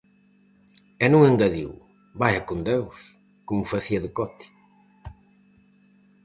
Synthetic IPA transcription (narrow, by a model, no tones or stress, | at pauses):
ɛnũŋeŋɡaðḭw | bajɐkond̪ews | komʊfaθiɐðɪkɔt̪i̥